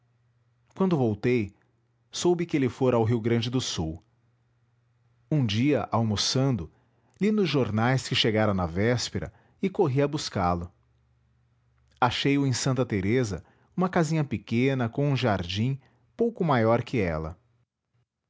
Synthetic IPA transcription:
kwɐ̃nd̪ʊvowt̪ej | sowbɪkɪelɪfoɾawɦiwɡɾɐ̃nd͡ʒɪd̪ʊsuw | ũd͡ʒiɐʔawmosɐ̃nd̪ʊ | linʊzʒoɾnajskɪʃeɡaɾɐ̃w̃nɐvɛspeɾɐ̰ | ɪkoɦiɐbuskalʊ | aʃejʊẽsɐ̃nt̪ɐt̪eɾezɐ̰ | ũmɐkazĩɲɐpɪkẽnɐkõũʒaɾd͡ʒĩ | powkʊmajɔɾkʰɪɛlɐ̰

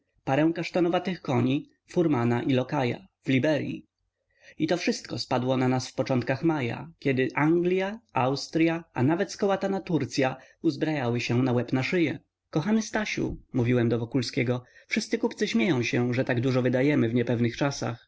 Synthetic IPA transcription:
paɾɛ̃w̃kaʂt̪ɔnɔvat̪ɘxkɔɲi | fuɾmanaʔilɔkaja̰vlʲibɛɾjḭ | it̪ɔfʂɘst̪̚kɔspad̪wɔnanasfpɔt͡ʂɔnt̪̚kaxmaja̰kʲɛd̪ɘʔaŋɡlʲjaawst̪ɾʲjaanavɛt̪skɔwat̪anat̪uɾt̪sʲjauzbɾajawɘɕɛnawɛpnaʂɘjɛ | kɔxanɘst̪aɕṵmuvʲiwɛmd̪ɔvɔkulskʲɛɡɔfʂɨst̪sɘkupt̪sɘɕmʲjejɔ̃w̃ɕɛʐɛt̪aɡd̪uʐɔvɘd̪ajɛmɘvɲɛpɛvnɘxt͡ʂasa̰x

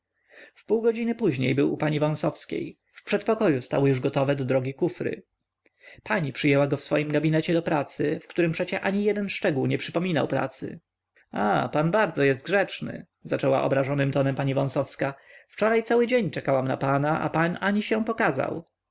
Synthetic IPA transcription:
fpuwɡɔd͡ʑinɘpuʑɲḛjbɘwṵpaɲivɔ̃w̃sɔfskʲḛj | fpʂɛt̪̚pɔkɔjust̪a̰wɔjuʐɡɔt̪ɔvɛd̪ɔd̪ɾɔɡʲikufɾɘ̰ | paɲipʂɨjɛwaɡɔfsfɔjimɡabʲinɛt͡ɕɛd̪ɔpɾat̪sɘfkt̪uɾɘmpʂɛt͡ɕɛʔaɲijɛd̪ɛnʂt͡ʂɛɡuwɲɛpʂɘpɔmʲinawpɾa̰t̪sɘ̰ | a̰panbaɾd̪zɔjɛst̪̚ɡʐɛt͡ʂnɘ̰ | zat͡ʂɛwa̰ʔɔ̰bɾaʐɔnɘmt̪ɔnɛmpaɲivɔ̃w̃sɔfskaft͡ʂɔɾajt̪sawɘd͡ʑeɲt͡ʂɛkawamna̰panaʔa̰panaɲiɕɛ̃pɔkaza̰w

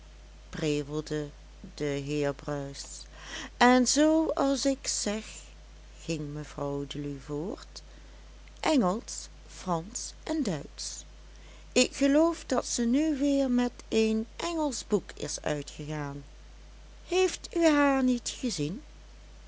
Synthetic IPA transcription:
preːvəlˠdə | dəɦɪːɹbrœɥs | ʔɛnzowɑlˠsɪksɛxː | ɪŋməv̥rɑwdəlyvoːɹt | ʔɛŋəlˠs | frɑnsʔɛndœɥts | ɪkχəlowfdɑtsənyʋɪːɹmɛtejnʔɛŋəlˠzbukʰɪ̰sœ̰ɥtχəɣaːn | hejftyɦaːɹnitχəzin

